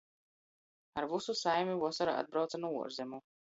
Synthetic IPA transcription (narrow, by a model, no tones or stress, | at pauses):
aɾvususajmʲivɔsaɾa̰a̰d̪̚bɾawt̪sanuṵɔɾzɛmu